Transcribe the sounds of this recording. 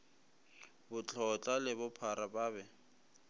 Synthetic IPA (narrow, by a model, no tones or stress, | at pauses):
bʊt͡ɬʰɔt͡ɬʼalɪbʊpʰaɾabaːbɛ